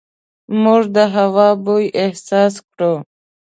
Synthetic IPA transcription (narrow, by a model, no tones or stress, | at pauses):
muʐd̪əɦawɑbujʔehsɑːskɾo